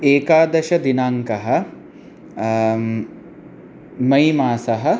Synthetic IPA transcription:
eːkaːd̪ɐʃɐd̪inaːŋkɐɦɐ̆ | mɐjmaːsɐɦɐ̆

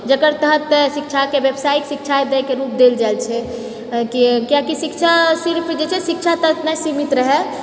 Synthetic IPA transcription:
d͡ʒəkəɾt̪əɦət̪ːesik̚t͡ʃʰakebjəbsajiksik̚t͡ʃʰaed̪əkeɾup̚d̪eld͡ʒaelt͡ʃʰɛ | kikijakisikt͡ʃʰasiɾpʰd͡ʒet͡ʃʰɛsik̚t͡ʃʰat̪ət̪nəsimit̪ɾəɦɛ

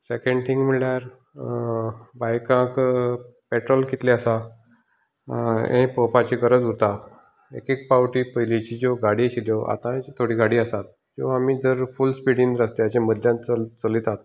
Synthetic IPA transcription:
sekẽɳɖʈʰiŋɡm̤iɭjaɾ | bajkãk | peʈɾɔlkit̪liasa | ḛ̃pəpat͡ɕikəɾəd͡zut̪a | ḛkek̚pawʈiːpəjlit͡ɕiːd͡ʑoɡaɽit͡ɕiljɔʔa̰t̪ãt̪ʰoɽiːɡaɽiːasat̪̚ | d͡ʑoamiːd͡zəɾfulspiɽĩnd̪ɾast̪eat͡ɕẽməd̪ʱjãt͡sət͡səliːt̪at̪

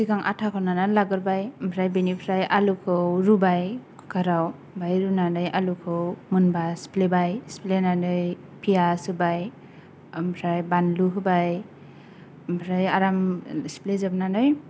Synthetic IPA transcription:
sikaŋʔa̰tʰakʰawnanalaɡɯɾbajmpʰɾajbenipʰɾajʔalukʰɯwɾubajkʰkʰaɾaw | bajɾunanɯjʔalukʰɯwmɯnbasplebajsplenanɯj | pʰijasɯbaj | mpʰɾajbanluɦɯbaj | mpʰɾajaɾamsplezabnanɯj

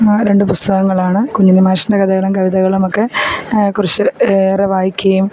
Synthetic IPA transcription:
ɾe̞ɳɖɨpust̪ɐɣɐŋːɐɭaːɳɨkuɲːinɨmaːʂɐndɐkɐðɐɣɐɭumkɐʋiðɐɣɐɭumokːe̞kurit͡ɕːɨeːrɐʋaːjikʲːɐjum

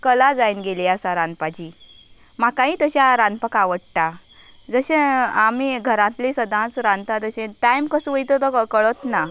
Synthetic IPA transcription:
kəlad͡zainɡeliasãɾãnpat͡ɕiː | makãiːt̪əɕjaɾãnpakaʋəɽʈ̪a | d͡zəɕẽamiɡʱəɾãt̪lisəd̪ʱãt͡sɾãnt̪at̪əɕẽʈajmkəsʋəjt̪ot̪əkəɭət̪na

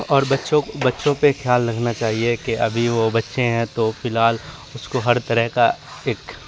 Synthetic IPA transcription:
ɔːɾbɐtːʃõbɐtːʃõpexjaːlːɐɡʱnat͡ʃaːɦiekeʔɐbʱiʋobɐtːʃeɦɛ̃t̪ofɪlɦaːl | ʊskoɦɐɾt̪ɐɾəɦkaeːk

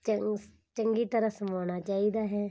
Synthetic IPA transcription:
t͡ʃə | t͡ʃəŋɡiːt̪əɾəsəmaːɽ̃aːt͡ʃaːiːd̪aːɦɛː

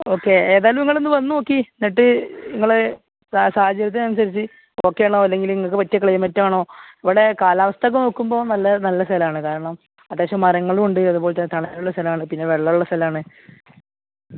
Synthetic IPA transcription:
o̞ːkːe̞eːðaːjlɐmiŋːɐɭenːɨʋɐnːunoːkːineʈːɨiŋːɐɭe | saːhɐd͡ʑːɐɾjɐt̪̬ːeɐnusɐɾit͡ɕːɨ | o̞ːkːe̞jɐɳoːɐlːe̞ŋɡilniŋːɐɭk̬ːɨpɐtːjɐkɭɐjɐmːɐtːɐmaːɳo̞ːiʋɐɽe̞kaːlaːʋɐst̪ʰɐk̬ːɨno̞ːkːumbo̞ːnɐlːɐnɐlːɐst̪ɐlɐaːɳɨkaːɾɐɳɐm | ɐd̪ːeːɕɐmːɐrɐŋːɐɭuɳɖɨɐðuboːɭt̪ɐnːt̪ɐɳɐjaːɾuɭːɐst̪ɐlɐmaːɳɨpinːe̞ʋeɭːɐjuɭːɐst̪ʰɐlɐaːɳɨ

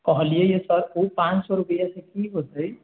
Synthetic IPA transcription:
kʌɦlijejesʌɾupãnt͡ʃsoɾupəjasẽkiɦot̪ʌj

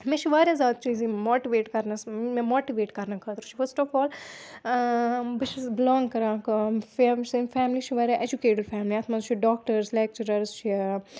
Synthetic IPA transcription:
mẽt͡ʃʰiʋaːɾʲjãzaːd̪̚t͡ʃiːzĩmoːʈiʋeːʈkɐɾnɐsmɛ̃moːʈiʋeːʈkɐɾnɐkʰɐt̪ɾut͡ʃʰi̥fəɾsʈɔːfɔːl | bɪt͡ʃʰisbɪlɔ̃ːŋɡkɐɾãːkfsfɛːmlit͡ʃʰiʋaːɾʲjãːʔed͡ʒukeːʈɪɖfʰɛːmliaːt̪ʰmaːzt͡ʃʰiɖɔːk̚ʈəɾslɛːk̚t͡ʃɐɾəɾst͡ʃʰi

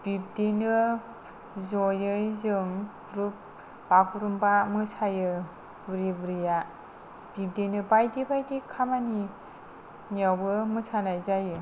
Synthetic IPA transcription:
b̥ib̚denɯ | zɔjɯjzɯŋ | ɾup̚ | bakuɾumbamɯsajɯ | buɾibuɾija | b̥ip̚denɯbajdibajdikʰamani | niawbɯmɯsanajzajɯ

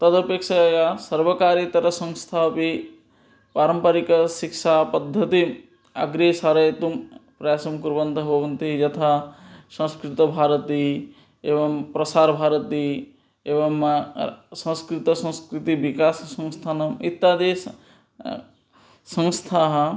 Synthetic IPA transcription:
t̪ɐd̪ɐpekʃɐjasɐɾʋɐkaːɾit̪ɐɾɐsɐ̃ŋ̃st̪ʰaːpi | paːɾɐmpɐɾikɐʃikʃaːpɐd̪ʱːɐt̪i | ɐ̰ɡɾesaːɾɐjɐt̪umpɾɐjaːsɐmkuɾʋɐnt̪ɐɦbʱɐʋɐnt̪id͡ʒɐt̪ʰasɐ̃skɾɪt̪ɐbʱaːɾɐt̪i | eːʋɐmpɾɐsaːɾbʱaːɾɐt̪i | eːʋɐm | sɐ̃skɾɪt̪ɐsɐ̃w̃skɾit̪iʋikaːssɐ̃ŋ̃st̪ʰaːnɐmit̪ːaːd̪eːs | sɐ̃ŋst̪ʰaːɦɐ̆

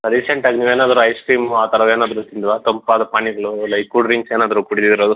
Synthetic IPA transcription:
ɐɾiseɳʈaːɡiniːʋeːnaːd̪ɐɾuɐjsʈɾiːmaːt̪ɐɾɐʋeːnaːd̪ɐɾut̪ind̪ʋaːt̪ɐmpʋaːd̪ɐpaːɳiɡɐɭulɐjkuɖɾiŋɡseːnaːd̪ɐɾukuɽid̪id̪iɾoːd̪u

